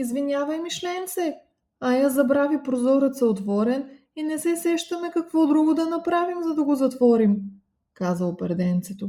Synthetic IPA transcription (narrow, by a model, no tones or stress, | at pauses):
izvinʲavɐjmiʃlɛmsɛ | ɐjazɐbɾavipɾozɔɾət̪sɐot̪vɔɾɛn | inɛsɛsɛʃt̪ɐmɛkɐkvɔd̪ɾuɡod̪ɐnɐpɾavimzɐd̪ɐɡozɐt̪vɔɾim | kazəʊpɛɾd̪ɛnt̪sɛt̪o